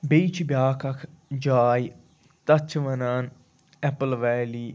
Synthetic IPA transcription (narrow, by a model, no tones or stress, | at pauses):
biːt͡ʃʰbʲjaːkʰɐkʰd͡ʒaːj | t̪ɐt͡ʃʰʋənaːn | ɛpəlʋɛːliː